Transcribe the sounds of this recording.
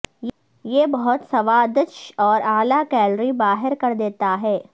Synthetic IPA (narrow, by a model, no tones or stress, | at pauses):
jeːbɐɦʊt̪sɐʋaːd̪ət͡ʃɔːɾaːlakɛːlɾibaːɦɪɾkɐɾd̪eːt̪aɦɛː